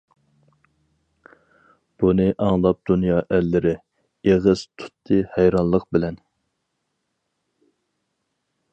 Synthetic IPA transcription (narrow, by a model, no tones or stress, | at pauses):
b̥unɨʔɑŋlˠɑp̚d̪unjɑːʔɛlːɪɾɪ | eʁɨz̥t̪ʰu̥t̪ʰːɨhɛjɾɑnlˠəq̚bɪlɛn